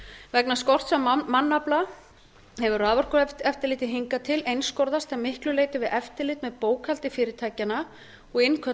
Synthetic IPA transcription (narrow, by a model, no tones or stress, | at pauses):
vɛknaskɔr̥t̪sɛmmanːapla | hɛvʏraːvɔr̥kʏɛft̪ɪlɪːt̪ɪɦiŋkat̪ʰɪlejnskowɾðast̪ʰɛmɪhklʏleːjt̪ɪvɪðʔɛft̪ɪlɪːt̪mɛðpoːwkʰal̥t̪ɪfɪːɾɪɾt̪ʰaːjcana | ɔɣɪnkʰœ